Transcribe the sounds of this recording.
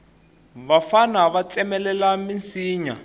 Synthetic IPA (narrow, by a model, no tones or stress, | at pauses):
βafanaβat͡sɛmɛlɛlamint͡siːɲa